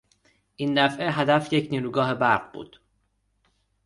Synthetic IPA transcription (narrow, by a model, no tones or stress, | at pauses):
ʔiːnːæfʔeɦæd̪æfjecʰniːɾuːɡɒːɦe̞bæɾɢbṵːd̪̥